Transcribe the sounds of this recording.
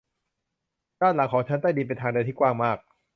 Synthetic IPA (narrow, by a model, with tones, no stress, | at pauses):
daː˥˩nla˩˦ŋkʰɔː˨˩˦ŋt͡ɕʰa˦˥nt̪a˥˩jdiː˧p̬e˧nt̪ʰa˧ŋdɯː˧t̪ʰiː˥˩kwaː˥˩ŋmaː˥˩k̚